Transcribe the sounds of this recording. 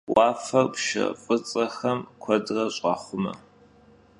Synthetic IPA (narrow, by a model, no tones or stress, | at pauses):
wɑːfɐrpʃɐ̰qʼət͡sʼɐxɐmkʷʰɐdrɐɕʼɑːχʷʊmɐ̰